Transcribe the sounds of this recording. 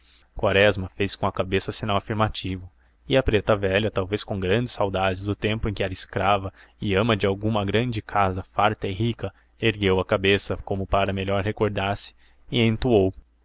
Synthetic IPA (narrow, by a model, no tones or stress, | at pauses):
kwaɾɛzmɐfejskõɐkabesɐsinawafiɾmat͡ʃivʊ | ɪɐpɾet̪ɐvɛʎɐt̪awveskõɡɾɐ̃d͡ʒɪsːawd̪ad͡ʒɪzd̪ʊt̪ẽmpʊẽkɪɛɾɐiskɾavɐɪɐ̃mɐd͡ʒɪawɡũmɐɡɾɐ̃d͡ʒɪkʰazɐfaɾt̪ɐɪɦikɐ | eɾɡewɐkabesɐkõmʊpaɾɐmeʎɔɾɦekoɾd̪aɾsɪ̥ | ɪẽnt̪uow